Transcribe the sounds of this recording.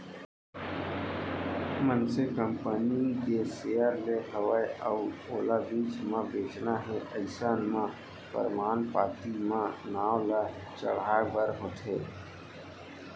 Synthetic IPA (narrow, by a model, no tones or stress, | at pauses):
mənsekəmpəniɡesejəɾleɦəʋaːeəuoːlabiːt͡ʃmãbeːt͡ʃnaɦɛʔəɪsaːnmã | pə̰ɾmaːnpaːt̪imãnaːwla | t͡ʃə̰ɽ̤aːebəɾɦoːt̪ʰeː